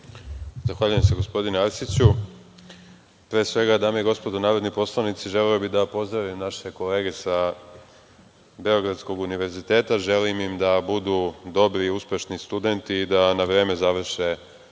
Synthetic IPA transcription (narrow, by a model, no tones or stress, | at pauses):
zaxʋaːʎujemseɡo̞spo̞d̪ineaɾsit͡ɕu | pɾeːsʋe̞ɡad̪aːmejiɡo̞spo̞d̪onaːɾo̞d̪nipo̞slˠanit̪siʒe̞leobid̪apo̞zd̪ɾaʋimnaʃe̞ko̞le̞ːɡe̞sa | be̞o̞ɡɾat̪sko̞ɡuniʋe̞ɾzit̪e̞ːt̪aʒe̞limimd̪abud̪ud̪o̞bɾiuspʲe̞ʃnist̪ud̪e̞nt̪iːd̪anaʋɾe̞ːme̞zaʋr̩ʃe